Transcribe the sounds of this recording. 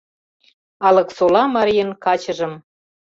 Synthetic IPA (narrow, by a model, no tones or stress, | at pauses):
ɑlɤ̆ksolɑmɑɾijənkɑt͡ɕɤ̆ʒɤ̆m